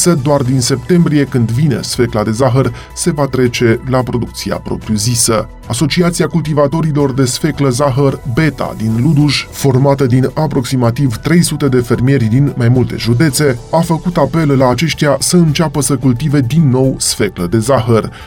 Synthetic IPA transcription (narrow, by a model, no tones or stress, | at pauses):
səd̪oard̪inse̞pt̪e̞mbɾije̞kɨnd̪vine̞̰sfe̞klad̪e̞zaɦər | se̞vat̪ɾe̞t͡ʃe̞lapɾo̞d̪uk̚t̪sia̰pɾo̞̰pɾjuzisə | aso̞t͡ʃiat̪siakult̪̬ivat̪o̞ɾilo̞rd̪e̞sfe̞kləzaɦərbe̞t̪a̰d̪inlud̪uʒfo̞rmat̪əd̪inapɾo̞ksimat̪ivt̪ɾe̞jsut̪e̞d̪e̞fe̞rmie̞ɾʲd̪inmajmult̪e̞̰ʒud̪e̞t̪se̞afəkut̪ape̞lːaːt͡ʃe̞ʃt̪ijasəɨnt͡ʃapəsəkult̪ive̞d̪inːo̞wsfe̞kləd̪e̞zaɦər